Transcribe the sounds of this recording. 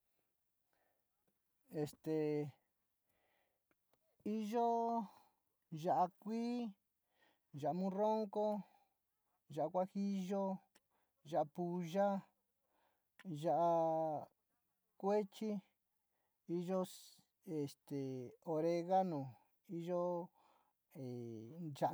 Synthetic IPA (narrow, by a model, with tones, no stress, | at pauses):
e˨st̪e˨ | i˦ʒo˦ | ʒa˧ʔa˧kʷiː˦ | ʒa˨a˧mũ˧˦ro˦ŋko˦ | ʒa˨a˧kʷa˦xi˦ʒo˦ | ʒa˧ʔa˧pu˧ʒa˦ | ʒa˧ʔa˧ | kʷe˦t͡ʃi˦ | i˦ʒo˦ | e˨st̪e˨o˧ɾe˧ɣa˦nõ˨ | i˦ʒo˦ | e˨ʒa˧